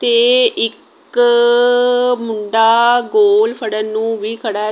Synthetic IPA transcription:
t̪eːɪk | mʊɳɖaːɡoːlpʰəɽənũːʋiːkʰəɽaː

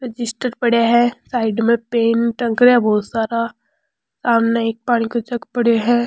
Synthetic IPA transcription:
ɾɪd͡ʒɪsʈəɾpɐɽeɦɛsaːɪɖmẽpeːnʈə̃ŋkɾɛbɔːt̪saːɾa | saːmneeːk̚paːɽ̃ikot͡ʃɐɡpɐɽeɦɛ̃ː

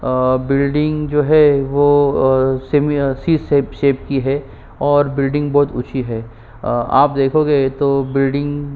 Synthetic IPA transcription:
bɪlɖɪ̃ŋɡd͡ʒoːɦɛʋoː | semisiːseːpʃeːp̚kiɦɛ | ɔːɾbɪlɖɪ̃ŋɡbɔːt̪ʊ̰ːt͡ʃʰiɦɛː | a̰ːp̚d̪eːkʰoːɡeːt̪obɪlɖɪ̃ŋɡ

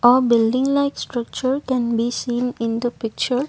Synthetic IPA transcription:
ʔɔbɪlɖɪ̃ŋlaɪksʈɾʌk̚t͡ʃəɹkɛ̃nbisĩːnɪ̃nd̪əpɪk̚t͡ʃəɹ

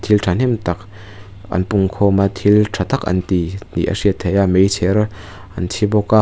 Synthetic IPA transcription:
t̪ʰiltʰan̥ɛmt̪ɐk̚ | ʔɐ̰npuŋkʰɔmat̪ʰiltʰat̪akʔɐ̰nt̪inḭʔɐ̰siət̪ʰːejamejt͡sʰɛɾ | ɐnt͡sʰibɔka

